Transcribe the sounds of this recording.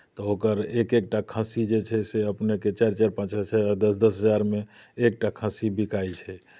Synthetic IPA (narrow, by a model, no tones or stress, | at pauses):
t̪ɔokəɾekek̚ʈakʰə̃sid͡ʒet͡ʃʰɛseəpneket͡ʃaɾt͡ʃaɾpə̃t͡ʃɦəsaɾd̪əsd̪əsɦəd͡ʒaɾmeːk̚ʈakʰə̃sibʱikait͡ʃʰɛ